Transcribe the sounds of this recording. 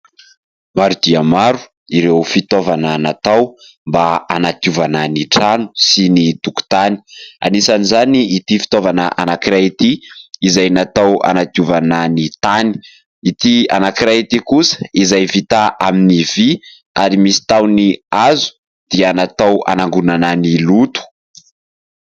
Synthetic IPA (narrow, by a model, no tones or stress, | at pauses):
maɾud̪iamaɾu̥ | iɾewfit̪ovananat̪aw | mbaanat̪iuvananiʈ͡ʂanu̥sinit̪uku̥t̪ani̥a̰nisanizaniːt̪ifi̥t̪ovanaʔanakiɾait̪iizajnat̪awa̰nat̪iuvananit̪ani̥ | it̪ia̰nakiɾait̪ikusə̥izajvit̪aʔaminivi | aɾimisi̥t̪awniazu̥ | d̪̥ianat̪awa̰naŋɡunananilut̪u̥